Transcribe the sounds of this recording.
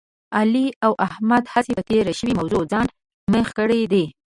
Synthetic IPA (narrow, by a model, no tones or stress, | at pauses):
aliawʔahmad̪hasepət̪eɾaʃəwimawzod͡zɑn | məxkəɽed̪e